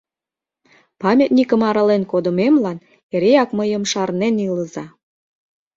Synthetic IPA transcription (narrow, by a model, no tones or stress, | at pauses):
pɑmʲet̪ʲnʲikəmɑɾɑlenkod̪ə̆memlɑn | eɾeɑkməjə̆mʃɑrneniləzɑ